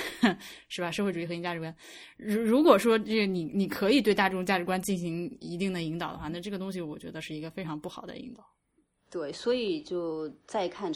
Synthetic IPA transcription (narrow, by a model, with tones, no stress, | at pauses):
ʂɻ̩˥˩bɐ˩ʂxwe˥˩ʈ͡ʂu˨˩i˥˩xɤ˧˥i˧˩t͡ɕja˥˩ʈ͡ʂɻ̩˧˥wa˥n | ɻu˧˥ɻu˧˥kwɔ˨˩ʂwɔ˥ʈ͡ʂɤ˥˩ɡə˩ni˨˩ni˨˩kʰɤ˧˥i˨˩t̪we˥˧t̪a˥˩ʈ͡ʂɤ˥˩ʊ˨˩t͡ɕa˥˩ʈ͡ʂɻ̩˧˥kwa˥nt͡ɕi˥˩nɕi˧˥ŋi˧˥t̪i˥˩ŋd̪ə˩i˧˥ŋt̪ɑ˨˩ʊd̪ə̰˦xwa˥˧˩na˥˩ʈ͡ʂɤ˥˩ɡə˩t̪ʊ˥ŋɕ̬i˨˩wɔ˨˩t͡ɕɥɛ̰˧˥d̪ə˧ʂɻ̩˥˩i˧˥ɡə˧fe˥ɪʈ͡ʂʰɑ˧˥ŋpu˥˩xɑ˨˩ʊd̪ə̰˦ḭ˧˥ŋt̪ɑ˨˩˦ʊ | t̪we˥˩ɪswɔ˧˥i˨˩t͡ɕjo˥˩˧ʊt͡sa˥˧ɪkʰa˥˧n